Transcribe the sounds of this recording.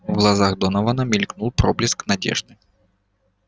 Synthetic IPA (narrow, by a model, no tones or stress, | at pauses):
ɣlˠazaɣd̪ɔnɐvɐnɐmʲilʲknulˠpɾɔblʲisknad͡zʲɛ̰ʐnɨ